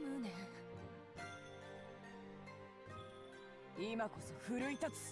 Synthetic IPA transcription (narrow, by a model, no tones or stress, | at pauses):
nɯna | imako̞soɸɯ̟ɾɯ̟it̪at͡sɨ̥